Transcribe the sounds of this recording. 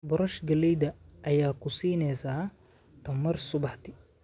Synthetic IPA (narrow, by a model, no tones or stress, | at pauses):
bʊɾɐʃɡɐlɛjd̪ɐʔɐjaːkʰʊsiːnɛjsaː | t̪ʰɐmɐrsʊbɑħt̪ʰɪ